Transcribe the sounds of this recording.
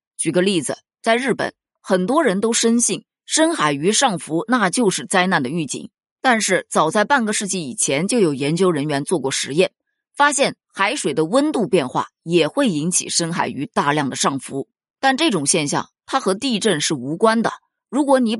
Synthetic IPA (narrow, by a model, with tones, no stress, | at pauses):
t͡ɕy˨˩ɡə˧˦li˥˩d͡zɹ̩˩ | t͡sa˥˧ɪɻɻ̩˥˩pə̰˨˩˦n | xə˨˩nt̪wɔ˥ɻə˧˥nt̪o˥ʊʂə˥nɕi˥˩ŋ | ʂə˥nxa˨˩ɪy˧˥ʂɑ˥˩ŋfu˧˥na˥˧t͡ɕjo˥˧ʊʂɻ̩˥˩t͡sa˥ɪna˥˩nd̪ə˩y˥˩t͡ɕḭ˨˩˦ŋ | t̪a˥˧nʂɻ̩˥˩t͡sɑ˨˩ʊt͡sa˥˧ɪpa˥˩nɡə˩ʂɻ̩˥˧t͡ɕi˥˩i˨˩t͡ɕʰjɛ˧˥nt͡ɕjo˥˩ʊjo˨˩ʊjɛ˧˥nt͡ɕjo˥ʊɻə˧˥nɥɛ˧˥nt͡swɔ˥˧kwɔ˥˩ʂɻ̩˧˥jɛ˥˩n | fa˥ɕjɛ˥˩n | xa˧˥ɪʂwe˨˩ɪd̪ə˦wə˥nt̪u˥˧pjɛ˥˧nxwa̰˥˩jɛ˨˩xwe˥˩ɪi˧˥nt͡ɕʰḭ˨˩ʂə˥nxa̰˨˩ɪy˧˥t̪a˥˧ljɑ˥˩ŋd̪ə˩ʂɑ˥˩ŋfu˧˥ | t̪a˥˧nʈ͡ʂɤ˥˩ʈ͡ʂʊ˨˩ŋɕjɛ˥˧nɕjɑ̰˥˩ŋt̪ʰa˥xɤ˧˥t̪i˥˧ʈ͡ʂə˥˧nʂɻ̩˥˩u˧˥kwa˥nd̪ə̰˨ | ɻu˧˥kwɔ˧˥ni˧˥